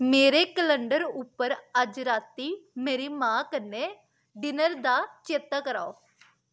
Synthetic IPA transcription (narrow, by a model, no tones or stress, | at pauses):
meːɾeːkələɳɖəɾʊpːəɾəd͡ʒɾaːt̪iːmeːɾiːmãːkənːeː | ɖɪnəɾd̪aːt͡ʃeːt̪aːkəɾa̰ːoː